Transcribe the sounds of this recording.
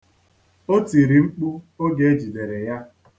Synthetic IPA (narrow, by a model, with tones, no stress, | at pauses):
o˦ti˨ɾi˨ŋ͡m̩˦k͡pu˦ | o˦ɡe˨e˦d͡ʒi˨de˨ɾe˨ja˦